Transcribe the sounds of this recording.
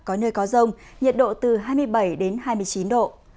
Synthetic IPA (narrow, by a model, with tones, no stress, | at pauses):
kɔ˨˦nəː˧jkɔ˨˦zə˧wŋ͡m | ɲi˨˩ət̚ɗo̰˧˨t̪ɨ˨˩ɦaː˧jmɨ˧əjɓə˧˩jɗe˨˦nɦaː˧jmɨ˧əjt͡ɕi˨˦nɗo̰˧˨